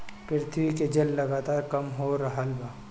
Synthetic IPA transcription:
pɪɾɪt̪ʰʋiked͡ʒɐlːɐɡaːt̪aːɾkɐmɦoɾɐɦəlbaː

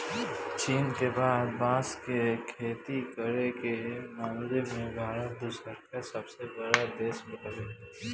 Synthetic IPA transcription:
t͡ʃiːnkebaːd̪bãːskekʰeːt̪ikəɾekemaːmlemẽbʱaːɾət̪̚d̪ʊsəɾkasəbsebəɽad̪eːsbət̪leː

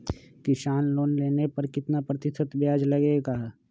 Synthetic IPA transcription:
kɪʃaːnloːnleːnepɐɾkɪt̪napɾət̪ɪsʰət̪bjaːd͡ʒlɐɡeɡaː

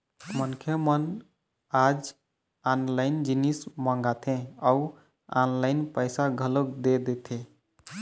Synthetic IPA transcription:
mənkʰemən | ad͡ʒ | anlaɪnd͡ʒinismə̃ŋɡat̪ʰẽau | anlaɪnpəjsaɡʱəlokd̪ed̪et̪ʰẽ

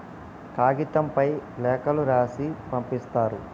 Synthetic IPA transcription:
kaːɡit̪ɐmpɐjlɛːkɐluɾaːsipɐmpist̪aːɾu

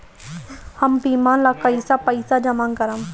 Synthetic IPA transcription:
hɐmpiːmãːnlakəjsapəjsad͡ʒɐmãːŋkɐɾam

